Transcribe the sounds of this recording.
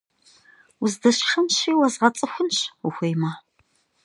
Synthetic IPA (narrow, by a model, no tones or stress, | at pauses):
ʊzdɐɕʂɐmɕiːwɐzʁɐt͡sʼɨxʷʊnɕuxʷejmaː